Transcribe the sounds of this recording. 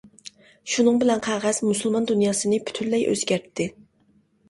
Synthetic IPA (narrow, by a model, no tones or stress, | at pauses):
ʃunɨŋbɪlɛnqʰæʁɑz̥musulˠmɑnd̪unjɑːsɨnɨpʰy̥t̪ʰylːɛjʔø̰zɡʲæɾt̪ʰːɪ